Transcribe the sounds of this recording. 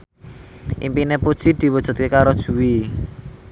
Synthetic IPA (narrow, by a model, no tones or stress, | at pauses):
ʔimpinepud̥ʒ̥i̤d̪̥i̤wɔd̥ʒ̥ɔ̤t̪̚kekaɾod̥ʒ̥ṳwi